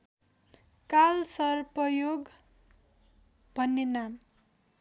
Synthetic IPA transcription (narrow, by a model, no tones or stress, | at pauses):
kalsʌrpʌjoɡ | bʱʌnːenam